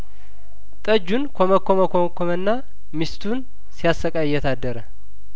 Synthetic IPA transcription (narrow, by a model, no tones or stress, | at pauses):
t̪ʼəd͡ʒːunkʰoməkʰːoməkʰokʰomənːa | mist̪ʰun | sijasːəkʼaɪjːɛt̪ʰad̪ːəɾə